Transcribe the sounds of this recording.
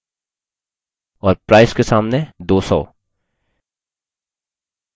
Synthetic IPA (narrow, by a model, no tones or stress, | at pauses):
ɔːɾpɾaːɪskesaːmned̪oːsɔ̰ː